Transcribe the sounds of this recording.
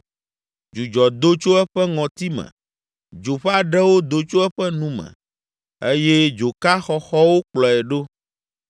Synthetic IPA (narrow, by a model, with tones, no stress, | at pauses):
d͡ʒu˨d͡ʒɔ˨d̪o˦t͡ʃo˦ɛ˦ɸɛ˦ŋɔ̃˨t̪i˦mɛ̰̃˨ | d͡ʒo˨ɸa˨ɖɛ˦wo˦d̪o˦t͡ʃo˦ɛ˦ɸɛ˦nũ˦mɛ̰̃˨ | e˦jɛ˦d͡ʒo˨ka˦xɔ˦xɔ˦wo˦k͡plɔ˨ɛ˨ɖo˦